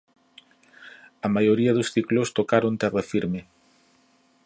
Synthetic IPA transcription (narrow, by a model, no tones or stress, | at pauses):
ɐmajoɾiɐðʊsθiklost̪okaɾont̪ɛrafiɾmɪ